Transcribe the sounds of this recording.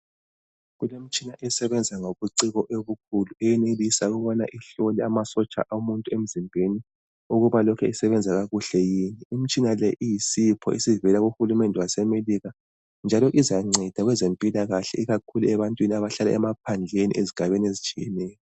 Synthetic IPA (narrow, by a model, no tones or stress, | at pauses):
ɣulem̩t͡ʃʼinaʔɛsɛβɛnd͡zʱaŋoβuǀiɣɔʔeβukʰuluɛjɛnelisauɣuβɔna̰ʔiɬɔlɛamasɔt͡ʃʼa̰ʔaumuntʼuem̩zimbʱeni | uɣuβalɔkʰɛisɛβɛnd͡zʱaɣaɣuɬɛjiːniːm̩t͡ʃʼinalɛʔijisipʰɔ̰ʔisivɛlaɣuxulumɛndʱɛwasɛmeliɣa | nd͡ʒʱalɔʔizaŋ͡ǀɛd̥ʱaɣwɛzempʼilaɣaɬɛ̰iɣakʰuluɛβantʼwiniaβaɬala̰ʔɛmap̚ʰand͡ɮʱenḭʔeziɡ̥ʱaβeniezit͡ʃʰʼijɛnɛːjɔ